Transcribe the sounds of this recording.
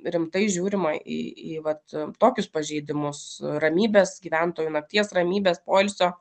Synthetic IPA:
ɾʲɪmt̪ɐɪʒʲuːɾʲɪmɐḭːiːʋɐt̪t̪oːkʲʊspɐʒʲɛɪd̪ʲɪmʊsrɐmʲiːbʲeːsɡʲiːʋʲænt̪oːjunɐk̚t̪ʲiɛsrɐmʲiːbʲeːspoːɪlʲsʲoː

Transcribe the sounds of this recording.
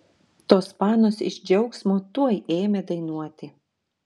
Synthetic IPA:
t̪oːspɑːnoːsɪ̰ʒʲd͡ʒʲɛʊksmoːt̪uɔjʔeːmʲed̪ɐɪnuɔt̪ʲɪ

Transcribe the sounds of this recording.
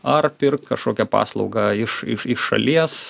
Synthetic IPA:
ɐrpʲɪrk̚t̪kɐʃkoːkʲɛpɑ̰ːslˠɐʊɡɑɪʃɪ̰ʃɪʃːɐ̰lʲiɛs

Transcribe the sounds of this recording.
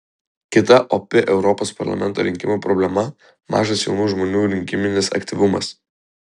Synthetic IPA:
kʲɪt̪ɐʔɔpʲɪʔɛʊɾɔpoːspɐɾlˠɐ̰mʲɛnt̪o̰ːɾʲɪŋʲkʲɪmuːpɾɔbʲlʲɛmɐ | mɑ̰ːʒɐsjɛʊnuːʒmoːnʲuːɾʲɪŋʲkʲɪmʲɪnʲɪsɐ̰kʲt̪ʲiʋʊmɐ̰s

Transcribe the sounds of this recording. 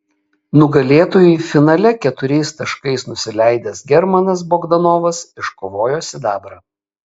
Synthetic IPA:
nʊɡɐlʲeːt̪oːjʊɪfʲɪnɐlʲɛkʲɛt̪ʊɾʲɛɪst̪ɐʃkɐɪsnʊsʲɪlʲæˑɪd̪ʲɛsɡʲɛɾmɐnɐs̬boːɡd̪ɐnoːʋɐsɪʃkoːʋoːjoːsʲɪd̪ɑːbɾɐ

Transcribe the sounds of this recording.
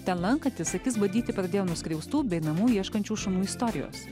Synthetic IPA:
t̪ʲɛnlˠɐŋkɐt̪ʲɪsɐkʲɪsbɐnd̪ʲiːt̪ʲɪpɾɐd̪ʲeːjoːnʊsʲkʲɾʲɛʊst̪uːbʲɛɪnɐmuːiɛʃkɐnʲt͡ʃʲuːʃɐnuːɪst̪oːɾʲɪjo̰ːs

